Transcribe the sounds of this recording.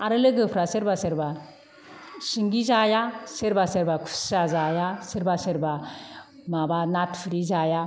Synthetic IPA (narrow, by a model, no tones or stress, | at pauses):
aɾɯlɯɡɯpʰɾaseɾbaseɾba | siŋɡizajaseɾbaseɾbakʰu̥sazajaseɾbaseɾba | mabanatpʰɯɾizaja